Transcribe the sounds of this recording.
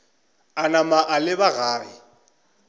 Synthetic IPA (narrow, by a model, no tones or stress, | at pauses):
anamaʔalɪbaɣaːrɪ